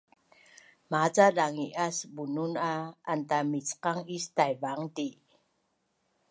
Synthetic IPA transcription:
mat͡salaŋiʔasəbununaːntamit͡sqaŋistajvaŋti

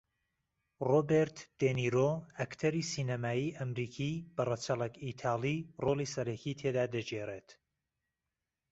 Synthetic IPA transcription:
roːbeɾt̪d̪̥eniɾoːɐkt̪ʰɐɾiːsiːnɐmaːjiːʔɐmɾiːkʰib̥ɐrɐt͡ʃɐlɐkit̪ʰaːlˠiːroːlˠiːsɐɾɐkʰiːt̪ʰed̪aːd̪ɐd͡ʒeːreːt̪

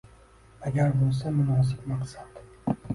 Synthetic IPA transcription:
aɡʲaɾbolˠs̬amʊnɒːs̬ɪbmaqsad̪̥

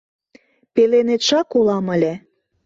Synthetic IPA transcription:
pelenet̪ʃɑkolɑmə̆lʲĕ

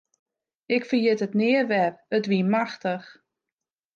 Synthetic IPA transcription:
ɪkfərjɪtətnɪərʋɛrətʋimaxtəx

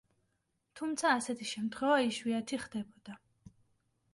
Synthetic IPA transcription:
t̪ʰumt̪sʰaːsɛt̪ʰiʃɛmt̪ʰχwɛvaiʃwiat̪ʰiχd̪ɛbɔd̪̥a

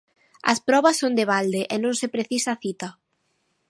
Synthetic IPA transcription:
ɐ̰spɾɔβɐsːond̪eβald̪eʔenõŋsepɾeθisaθit̪ɐ

